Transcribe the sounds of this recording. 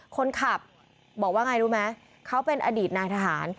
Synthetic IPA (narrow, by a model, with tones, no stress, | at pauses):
kʰo˧nkʰa˨˩p̚ | bɔː˨˩k̚waː˥˩ŋa˧jɾuː˦˥ma˦˥ | kʰa˦˥wpe˧nʔaː˧diː˨˩t̪̚naː˧jt̪ʰa˧ɦaː˩˦n